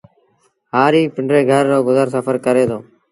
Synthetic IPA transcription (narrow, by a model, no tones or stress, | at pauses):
ɦaːɾiːpəɳɖɾeːɡʱəɾːoːɡʊzəɾsəfəɾkəɾeːd̪oː